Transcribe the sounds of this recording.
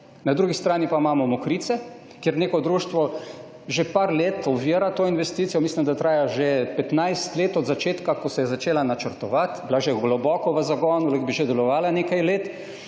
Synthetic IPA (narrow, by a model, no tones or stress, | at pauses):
nad̪ɾuɡist̪ɾaːnipamaːmɔmɔkɾiːt̪sɛ | kjeɾneːkɔd̪ɾuːʃt̪ʋɔ | ʒepaɾleːt̪ɔbʋiːɾat̪oːinʋɛst̪iːt̪sijɔmislimd̪at̪ɾaːjaʒepɛt̪najst̪leːt̪ɔd̪zat͡ʃeːt̪kakɔsɛjɛzat͡ʃeːlanat͡ʃəɾt̪ɔʋat̪bilaʒeɡlɔbɔkɔʋəzaɡɔnuləkbiʒed̪ɛlɔʋaːlaneːkajleːt̪